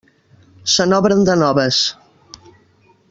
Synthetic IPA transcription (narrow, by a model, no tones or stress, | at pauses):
sənɔβɾənd̪ənɔβəs